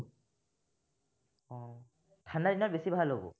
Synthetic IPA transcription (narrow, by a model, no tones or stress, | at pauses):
ɔ̃ | tʰanadinabesibʱalːobṵ